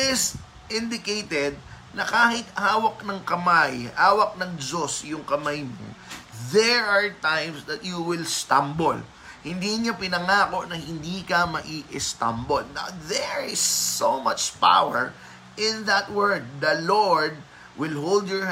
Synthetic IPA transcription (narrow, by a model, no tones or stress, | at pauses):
ɪs | ʔɪ̃nd̪ɪkejt̪ɛd̪̚nɐkaːhɪt̪haːwɐk̚nɐŋkɐmajhaːwɐk̚nɐŋd͡ʒosjʊŋkɐmajmo̰ðɛɹaɹt̪ãjmsd̪ɐt̪̚juwɪlst̪ɐmbol | hɪnd̪iːɲapɪnɐŋaːko̞ʔnɐhɪnd̪iːkɐmɐʔiʔɪst̪ɐ̰mbolna̰ðɛɹɪsːomat͡ʃpa̰wɛɹ | ʔɪ̃nðɐt̪̚wɛɹd̪̚ːɐloɹd̪̚ | wɪlɦold̪jɔɹ